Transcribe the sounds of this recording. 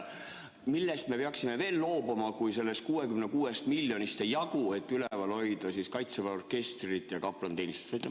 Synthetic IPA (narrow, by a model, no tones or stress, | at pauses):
milːe̞st̪me̞peɑksime̞ve̞ːlːo̞ːbumɑkujse̞lːe̞st̪̚kuːe̞kymnekuːe̞st̪milʲjo̞nʲist̪ejɑɡ̥ue̞t̪ːylevɑlo̞jd̪̥ɑsiskɑjt̪sevɑorke̞st̪rit̪ˑjɑkɑplɑnt̪e̞ːnist̪e̥st̪ɑjt̪ːˑe